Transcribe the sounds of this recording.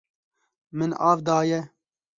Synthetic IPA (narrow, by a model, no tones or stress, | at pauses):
mɨnɑːvd̪ɑːjɛ